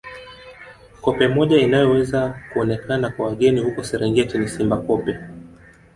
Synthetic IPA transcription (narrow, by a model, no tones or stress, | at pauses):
kɔpɛmɔʄainajɔwɛzakuɔnɛkanakwawaɠɛnihukɔsɛɾɛŋɡɛtinisimbakɔpɛ